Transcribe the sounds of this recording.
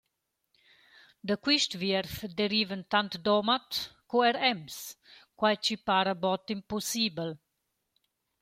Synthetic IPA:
d̪əkwiʃt̪viɾfd̪eɾiːvənt̪ant̪d̪ɔmat̪kuɛɾɛmskwajt͡ʃipaɾəbɔt̪imposiːbəl

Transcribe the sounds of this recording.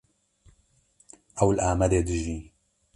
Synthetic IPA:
ʔɐwlʔaːmɐd̪eːd̪ɨʒiː

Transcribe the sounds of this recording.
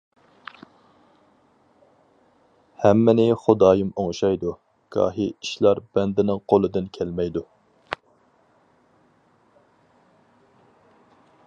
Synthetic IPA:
hɛmːɪnɪχʊd̪ɑːjimoŋʃɑjd̪u | ɡ̥ɑ̰ːɦiiʃlˠɑɾbɛnd̪ɪnɪŋqʰolˠɨd̪ɨnkʲʰɛlmɛjd̪u

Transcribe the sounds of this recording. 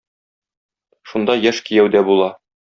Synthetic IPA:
ʃund̪ɑjæʃkijæwd̪æbulˠɑ

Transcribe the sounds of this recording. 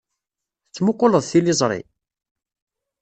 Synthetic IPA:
t͡sːmʊqːoləðˤθilɪzˤɾˤḭ

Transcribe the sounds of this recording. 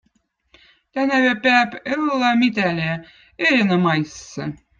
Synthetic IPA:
t̪ænævæ̆pæpelːæmit̪ælʲe | eɾʲenɑmɑjsːɤ̆

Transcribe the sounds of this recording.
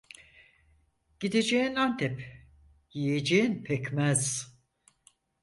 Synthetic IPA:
ɟ̥id̪ed͡ʒeinant̪ʰɛp | jijed͡ʒejinpʰɛcmæz̥

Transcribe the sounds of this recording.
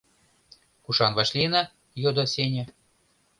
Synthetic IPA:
kuʃɑnvɑʃlʲinɑ | jod̪osʲenʲĕ

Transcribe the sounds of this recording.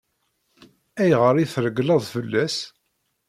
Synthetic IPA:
æjʁəɾiθɾəɡlɑðˤfəlːæs

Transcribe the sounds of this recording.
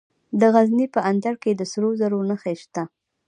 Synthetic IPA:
d̪əɣaznipəʔand̪aɽked̪əsɾozaɾonəxeʃt̪a

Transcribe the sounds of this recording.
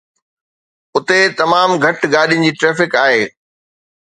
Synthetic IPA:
ʊt̪et̪ɐmaːmɡʱɐʈɡaːɗijʊ̃nɪ̆d͡ʑiːʈɾeːfɪkaːɦeː

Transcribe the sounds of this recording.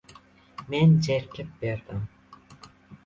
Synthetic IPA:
mend͡ʒeɾkɪp̚beɾd̪ɪm

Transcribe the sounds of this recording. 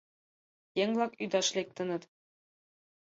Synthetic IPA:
jeŋlˠɑkyd̪ɑʃlʲek̚t̪ɤ̆nɤ̆t̪

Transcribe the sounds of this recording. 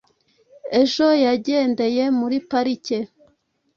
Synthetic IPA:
e̞ʒo̞jaɟe̞ːnde̞je̞muɾipaɾice

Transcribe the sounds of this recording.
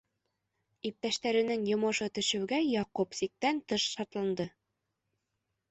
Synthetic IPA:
ip̚t̪æʃt̪æɾɘ̆nɘŋjŏmɤ̆ʃɤt̪ɵ̆ʃɘ̆wɡæjɑqupsik̚t̪ænt̪ɤʃʃɑɾt̪lˠɑnd̪ɤ

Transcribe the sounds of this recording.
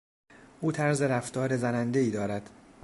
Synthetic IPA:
ʔuːt̪ʰæɾze̞ɾæft̪ɒːɾezænænd̪e̞iːd̪ɒːɾæd̪̥

